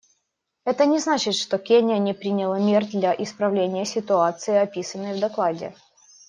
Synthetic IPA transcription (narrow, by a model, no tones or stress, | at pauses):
ɛt̪ənʲɪznat͡ɕɪt̪ʂt̪okʲenʲɪjənʲɪpɾʲinʲɪlˠəmʲerd̪lʲɐʔɪspɾɐvlʲenʲɪjəsʲɪt̪ʊat̪sɨɪɐpʲisənːəjvd̪ɐklˠadʲɪ̰